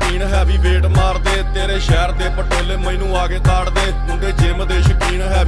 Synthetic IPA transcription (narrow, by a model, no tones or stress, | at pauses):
kiːɳɦɛːbiːbeːʈmaːɾd̪eːt̪eːɾeːʃɛːɾd̪eːpəʈeːleːməiːnũːaːɡeːt̪aːɽd̪eː | ʊ̃ɖeːd͡ʒɪmd̪eːʃəkiːɳɦɛː